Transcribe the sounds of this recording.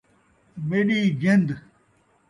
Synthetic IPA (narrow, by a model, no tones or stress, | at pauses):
meɗiːɡend̪